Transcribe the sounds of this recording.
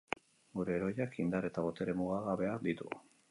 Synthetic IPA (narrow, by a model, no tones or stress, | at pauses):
ɡuɾe̞ːɾo̞jakind̪aɾe̞t̪aβo̞t̪e̞ɾe̞muɣ̞aɣaβe̞ad̪it̪u